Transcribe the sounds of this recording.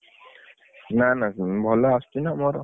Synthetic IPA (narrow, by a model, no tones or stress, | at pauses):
nanabʱɔlɔast̪inamɔɾɔ